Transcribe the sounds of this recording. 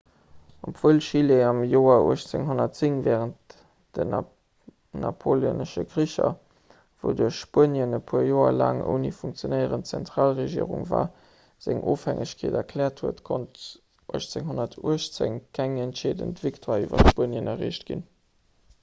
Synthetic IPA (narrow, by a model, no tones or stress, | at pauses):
opv̥oːlʃileɑmjoːɐṵəɕt͡seŋɦonɐtt͡siŋvɛːʁənt | d̥ən | nɑpʰoljonəʃəɡʁiɕɐ | vo̰duɐɕʃpuənjənəpʰuəjoːɐla̰ːŋo̰nifuŋk̚t͡sjonɛɪəʁəntt͡sɛntʁaːlʁeʒḭːəʁṵŋva̰ː | z̥æŋʔoːfhæŋʔəɕkʰeːdɐkʰlɛːɐthuətkʰont | ʔuəʃt͡seŋɦonɐtʰuəʃt͡seŋkʰæŋæntʃeːdə̰ntv̥iktʰwaːyːvɐ̰ʃpuənjənɐʁḭːɕtɡ̥in